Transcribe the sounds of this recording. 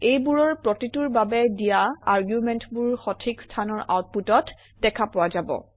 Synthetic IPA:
ejbuɹɔɹpɹɔtituɹbabɛdijaaɹɡjumɛntbuɹxɔtʰikstʰanɔɹʔa̰wt̚putɔt | dɛkʰapɔwazabɔ̰

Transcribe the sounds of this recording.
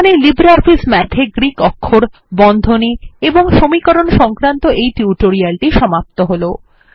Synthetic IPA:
nelibɾafʰismɛʈ̪ʰeɡɾikɔkʰːoɾ | bɔnd̪ʱonieboŋʃomikɔɾonʃɔŋkɾant̪oʔejʈiuʈoɾialʈiʃɔmap̚t̪oɦolo

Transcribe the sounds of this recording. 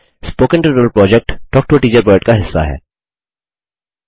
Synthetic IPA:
spoːkə̃nʈəʈːəlpɾɔːd͡ʒɛk̚ʈʈɔːk̚ʈoːʈiːt͡ʃəɾbəɾɖkaɦɪsːa̰ɦɛ̰ː

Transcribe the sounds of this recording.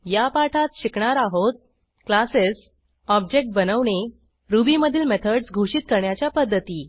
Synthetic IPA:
japaʈʰat̪ɕikɳaɾaɦot̪̚ | klases | ɔb̚d͡ʑek̚ʈ̚bənəʋɳe | ɾubiməd̪ʱiːlmet̪ʰəɖsɡʱuɕiːt̪̚kəɾɳjat͡ɕjapəd̪ʱːət̪iː

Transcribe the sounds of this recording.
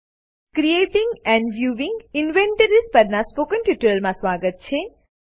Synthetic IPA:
kɾieʈĩŋɡɛ̃ɳɖʋjuːʋĩŋɡinʋẽɳʈəɾispəɾnaspokənʈiʈəlmãsʋaɡət̪̚t͡ʃʰe

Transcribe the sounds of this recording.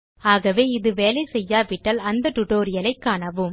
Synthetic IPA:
aːɣɐʋeːɪðɯʋeːlɐɪsɛjːaːʋɪʈːɐlɐnd̪ɐʈʊʈoːɾɪjɐlɐɪkːaːɳɐʋɯm

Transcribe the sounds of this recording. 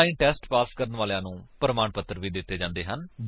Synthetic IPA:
ĩːʈɛːsʈpaːskəɾənʋaːlejãːnũːpəɾəmaːɳpət̪ːəɾʋiːd̪ɪt̪ːeːd͡ʒãːnd̪eːɦən

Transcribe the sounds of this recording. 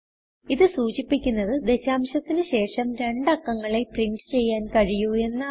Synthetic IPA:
iðɨsuːt͡ɕipːikʲːunːɐðɨd̪e̞ɕaːmɕɐt̪ːinɨɕe̞ːʂɐmɾe̞ɳɖɐkːɐŋːɐɭe̞priɳɖɨt͡ɕe̞jːaːnkɐɻijue̞nːɐ

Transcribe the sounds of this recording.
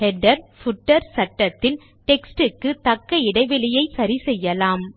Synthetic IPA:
hɛɖɐɾfʊʈːɐɾsɐʈːɐt̪ːɪl | ʈɛksʈɯkːɯt̪ɐkːɐɪɽɐɪʋɪlɪjɐɪsɐɾisɛjːɐlaːm

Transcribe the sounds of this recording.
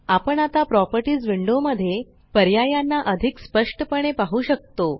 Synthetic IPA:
apəɳat̪apɾɔpəɾʈiːd͡zʋiɳɖoməd̪ʱːje | pəɾjajanːaʔəd̪ʱikspəʂʈəpəɽ̃epaɦuɕək̚t̪o

